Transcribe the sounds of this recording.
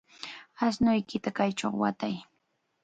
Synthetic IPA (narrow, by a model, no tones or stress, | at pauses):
asnʊjkɪt̪akajt͡ʃo̰χwa̰t̪aj